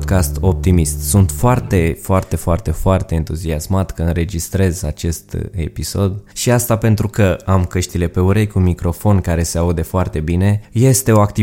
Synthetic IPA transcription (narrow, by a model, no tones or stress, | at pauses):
kast̪o̞p̚t̪imist̪sunt̪foart̪e̞foart̪e̞foart̪e̞foart̪e̞ːnt̪uziasmat̪kəɨnɾe̞d͡ʒist̪ɾe̞zat͡ʃe̞st̪e̞̰piso̞d̪ʃiast̪ape̞nt̪ɾukəamkəʃt̪ile̞pe̞uɾejkumikɾo̞fo̞nkaɾe̞se̞aud̪efoart̪e̞bine̞je̞st̪e̞o̞akt̪i